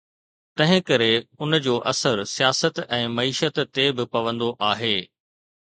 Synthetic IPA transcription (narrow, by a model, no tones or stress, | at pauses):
t̪ɐ̃ɦɪ̃kɐɾeʊnd͡ʑoːʔɐsəɾsijaːsət̪ɛ̃ːmɐiːʃət̪ːebɪpɐʋə̃nd̪oʔaːɦeː